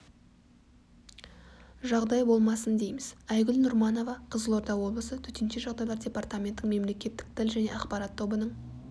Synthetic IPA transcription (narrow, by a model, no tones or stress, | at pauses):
ʒɑʁd̪ɑjbo̞lˠmɑsənd̪e̞jmɪzæjɡʲʏlnʊɾmɑno̞vɑqʰəzəlˠo̞ɾt̪ɑwo̞blˠəsət̪ʰɵt̪e̞nʃe̞ʒɑʁd̪ɑjlˠɑɾdʲe̞pɑɾrt̪amʲe̞nt̪ːɪɴme̞mle̞kʲe̞t̪ːɪ̥k̚t̪ʰɪlʒæne̞̰ɑqpɑɾɑt̪ʰːo̞bənəɴ